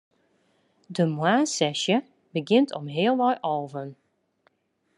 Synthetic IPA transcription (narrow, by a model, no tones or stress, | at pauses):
dəmwaːsɛʃjə | bəɡɪntʰɔmɦɪːəlˠʋɔjʔoːvən